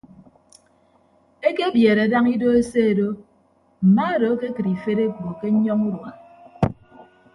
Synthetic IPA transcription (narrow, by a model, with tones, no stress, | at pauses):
e˦ke˦bjeː˨ɾe˨da˦ŋi˦do˦e˦se˦e˨do˦ | m̩˨ma˦e˦do˨˦ke˦kɨ˨ɾi˨fe˦ɾe˦ko˨ke˦ɲ̩˦ɲɔ˦ŋu˦ɾwa˨